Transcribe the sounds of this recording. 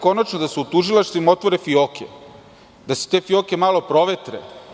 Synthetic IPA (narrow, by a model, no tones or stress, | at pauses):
ko̞nat͡ʃnod̪aseut̪uʒilˠaʃt̪ʋimao̞t̪ʋo̞ɾefioːkʰḛ | d̪ase̥t̪e̞ːfio̞ːke̞maːlo̞pɾo̞ʋet̪ɾḛ